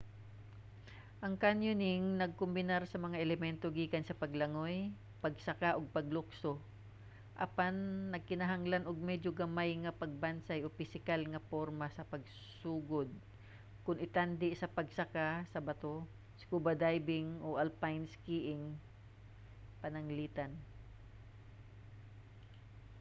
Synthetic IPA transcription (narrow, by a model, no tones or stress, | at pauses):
ʔɐŋkanjʊnɪŋnɐɡ̚kʊmbɪnaɾsɐmɐŋaʔɛlɛmɛnt̪oɡiːkɐnsɐpɐɡlɐŋoj | pɐɡsɐkaʔoɡ̚pɐɡlʊkso | ʔɐ̰panːɐɡ̚kɪnɐɦaŋlanʔoɡ̚mɛd͡ʒoɡɐmajŋɐpɐɡ̚bansajʔopɪsɪkalŋɐpoɾmɐsɐpɐɡ̚ | suːɡod̪̚ | kʊnɪt̪and̪ɪsɐpɐɡsɐkasɐbɐt̪o | skubɐd̪ajbɪŋʔoʔalpajnskiʔɪŋ | pɐnɐŋliːt̪an